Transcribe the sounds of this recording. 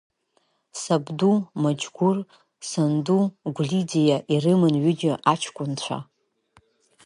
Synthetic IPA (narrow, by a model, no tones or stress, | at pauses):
sabdumad͡ʒɡʷʊr | sanduɡʷlid͡zijaʔirɨmɨnɥʏd͡ʒʲɪʔat͡ʃʰkʷʼʊnt͡ɕʷʰa̰